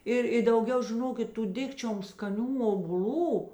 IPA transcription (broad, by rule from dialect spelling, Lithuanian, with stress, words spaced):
ˈɪr ɪ dɐʊˈɡʲɛʊ ʒʲɪˈnoːkʲɪt ˈtuː ˈdʲɪkt͡ʃʲoːm skɐˈnʲuː oːbʊˈlʲuː